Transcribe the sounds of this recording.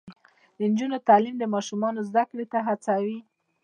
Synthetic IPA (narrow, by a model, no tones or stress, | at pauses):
d̪ənd͡ʒunot̪ɑlimd̪əmɑʃumɑnozd̪akɽet̪aɦat͡sawi